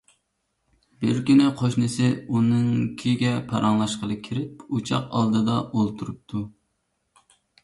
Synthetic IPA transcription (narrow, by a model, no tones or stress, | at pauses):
bɪɾkʲynɪqʰoʃnɨsɪunɨŋkʲʰyɡʲɛpʰɑɾʔɑŋlˠɑʃqəlˠɨkʲʰiɾɪp̚ut͡ʃʰɑqɑ̰lˠd̪ɨd̪ɑolˠt̪ʰuɾup̚t̪ʰu